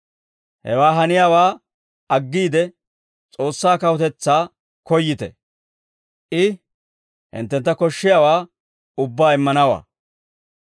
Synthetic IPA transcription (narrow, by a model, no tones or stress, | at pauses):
hɛ̰waːɦɐnɪjaːwaː | ɐɡːiːd̪ɛ | t͡sʼo̞ːsːaːkɐwɔt̪ɛt͡sːaː | kɔjːɪt̪ɛ̰ | ʔɪ | hɪ̰nt̪ːɛnt̪ːɐkɔʃːɪjaːwaː | ʊbːaːɪmːɐnɐwa̰ː